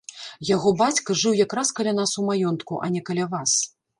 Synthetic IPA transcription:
jaɣɔbat͡sʲkɐʐɨwjakɾaskɐlʲanasumajɔnt̪kuʔɐnʲɛkɐlʲavas

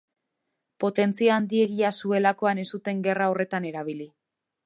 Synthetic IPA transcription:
po̞t̪e̞nt͡siaːnd̪ie̞ɣiasue̞lako̞ane̞st̪ut̪e̞ŋɡe̞rao̞re̞t̪ane̞ɾaβ̞ili

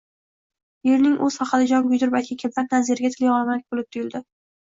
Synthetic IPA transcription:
jeɾnɪŋʔɵz̥χɑqɑd̪ɪd͡ʒɒnɡʊjd̪ʊɾbalkʲʰikʲʰeplap̚nazeɾɪɡʲat̪ʰɪlɪjɒlˠmaɪk̚ʲbolɪp̚t̪ʰʊjɪld̪ɪ

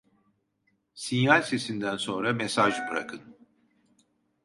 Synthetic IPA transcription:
sinjalʲsesind̪ænso̞nɾamɛsaʒɯbɯɾa̰kʰɯn

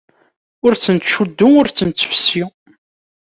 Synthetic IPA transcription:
ʊɾt͡sːənt̪ʃud̪ːʊmʊɾt͡sːənt͡sːə̥fsi

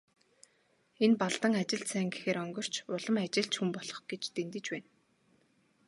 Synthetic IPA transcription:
enpaɮt̪ə̆ŋat͡ɕɪ̆ɮsæːŋɡexeːɾœŋɡɞ̆r̥t͡ɕʊɮə̆mat͡ɕɪ̆ɬt͡ɕxumpɔɮɞ̆χɡ̥et͡ɕt̪ent̪ɘ̆t͡ɕpæːn

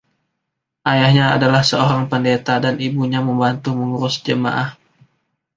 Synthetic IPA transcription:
ʔajahɲaːdalahsəoɾaŋpəndet̪adanibuɲaməmbant̪uməŋuɾʊsd͡ʒəma̰ʔah

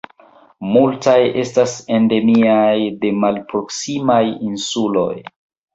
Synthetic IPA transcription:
multaje̞stase̞nde̞miajde̞malpɾo̞ksimajinsulo̞̰j

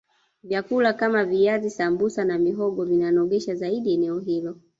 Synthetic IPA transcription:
vjakulakamaviazisambusanamiɦɔɡɔvinanɔɠɛʃazaiɗiɛnɛɔɦilɔ

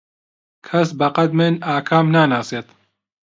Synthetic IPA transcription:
kʰɐsbɐqɐd̪̚mɨnaːkʰaːmnaːnaːseːt̪

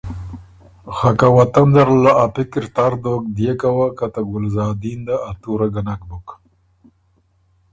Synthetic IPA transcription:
xakawat̪and̪aɾlaʔapɪkɪɾt̪aɾd̪ok̚d̪jekawakat̪aɡʊlzɑːd̪ind̪aːt̪uɾaɡanak̚bʊk

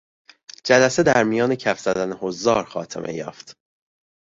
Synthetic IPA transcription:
d͡ʒælæse̞d̪æɾmijɒːne̞cʰæfz̥æd̪ænehozɒːɾxɒːt̪ʰḛmʔḛjɒ̰ːft̪

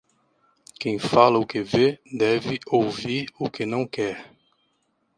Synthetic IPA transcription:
kẽj̃falɐʊkɪved̪ɛvɪowviɾʊkɪnɐ̃w̃kɛɾ

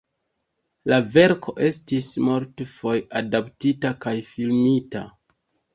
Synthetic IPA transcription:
lave̞ɾkʰo̞ʔe̞stismoltfo̞jadaptitakajfilmita̰

